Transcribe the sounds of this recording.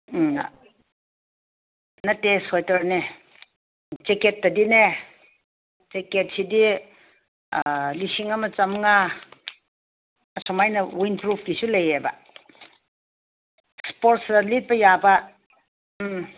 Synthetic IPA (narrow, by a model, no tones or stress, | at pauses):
nɐtːesɔjtɐɾne | t͡ʃeket̚ːɐdine | t͡ʃeket̚sidi | lisiŋamɐt͡ʃɐmŋa | ɐsɔmajnɐwinpɾupʰkisulejebɐ̰ | spoɾtsɐlit̚bɐjabɐ | m